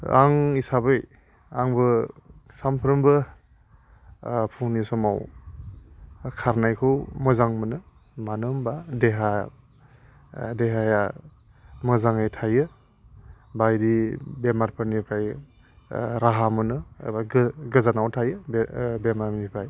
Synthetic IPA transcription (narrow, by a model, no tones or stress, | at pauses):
a̰ŋisabɯj | aŋbɯsampʰɾɯmbɯ | pʰuŋnisɔmaw | kʰaɾnajkʰɯwmɯzaŋmɯnɯ | manɯmbadeɦa | deɦaja | mɯzaŋajtʰajɯ | bajdibemaɾpʰɯɾnipʰɾaj | ɾaɦamɯnɯbaɡɯzanawtʰajɯbbemamnipʰaj